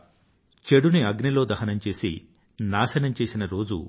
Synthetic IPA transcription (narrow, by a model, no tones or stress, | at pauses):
t͡ʃe̞ɽuniɐɡnilo̞ːd̪ɐɦɐnɐmt͡ʃe̞ːsi | naːʃɐnɐmt͡ʃe̞ːsinɐɾo̞ːd͡ʒṵ